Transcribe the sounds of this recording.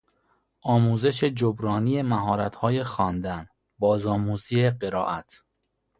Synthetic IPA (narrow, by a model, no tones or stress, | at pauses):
ʔɒːmuːze̞ʃe̞d͡ʒobɾɒːnijemæɦɒːɾæt̪ʰhɒːje̞xɒːnd̪æn | bɒːzɒːmuːziːeɢe̞ɾɒ̰ːʔæt̪ʰ